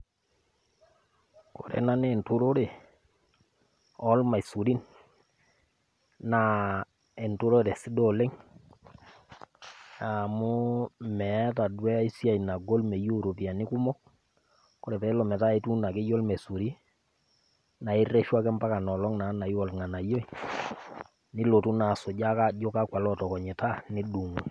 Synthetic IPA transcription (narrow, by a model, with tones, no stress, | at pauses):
ko˨ɾɛ̰˨na˦nː˦˨ntu˦ɾo˦de˨ | ɔ˦lma˨i˨su˨ɾi˦n | na˨ | ɛ˨ntu˦ɾo˦de˨si˦dɔ˦le˦ŋ | a˨mu˦mɛ˨˦ta˨dwɛ˦i˦sja˦˨i˨na˨ɡo˦lme˨ju˦ɾo˨pi˨a˨nɪ˦ku˦mɔ˦k | kːo˦ɾe˨pɛ˨˦lɔ˨mɛ˨ta˦e˦tu˦na˨kɪ˦jɔ˦lmɛ˨su˨ɾi˦ | na˨i˦rɛ˦ʃwa˦kɛ˦mba˦ka˨nɔ˨lɔ˦ŋna˨˦na˨i˦wɔ˨lŋa˨na˨jo˦i˨ | nɪ˦lo˨tu˦na˨sʊ˨ɟa˦ka˦d͡ʒo˦ka˦kwa˨lɔ˦tɔ˨kɔ˨ɲɪ˨ta˦nɪ˦du˨ŋu˨